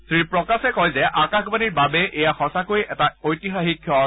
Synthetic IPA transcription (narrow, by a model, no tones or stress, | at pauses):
tɹipɹɔkasɛkɔjzɛʔakaxbaniɹbabɛʔejaxɔsakoiʔɛtaojtixaxikʰjɔ